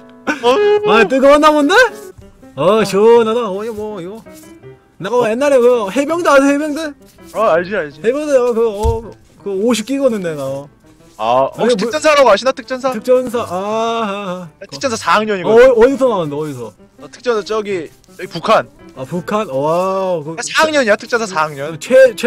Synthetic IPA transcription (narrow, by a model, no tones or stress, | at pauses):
at͈ɯɡʌʌnːamonde | ʌt͡ɕʌnadaʌmwʌiɡʌ | nakjenːaɾeokɯhebjʌŋdɯasʰehebjʌŋde | aaɭd͡ʑiaɭd͡ʑihebjʌŋdeakɯʌ | kɯoɕʰip̚k͈iɡʌnːɯndea | atʰɯt͡ɕ͈ʌnsʰaɾaɡaɕʰinatʰɯ̥k̚t͡ɕ͈ʌnsʰaɯk̚t͡ɕ͈ʌns̬ʰaʔa | atʰɯ̥k̚t͡ɕʌnsʰasaŋɲʌɲiŋʌdisʰʌnanɯnd̪eʌisʰʌ̰ | ʌtʰɯ̥k̚t͡ɕ͈ʌnsʰat͡ɕ͈ʌɡi | pukʰanapukʰanʌwakɯasʰaŋɲʌɲjatʰɯ̥k̚t͡ɕ͈ʌnsʰasaŋɲʌnt͡ɕʰee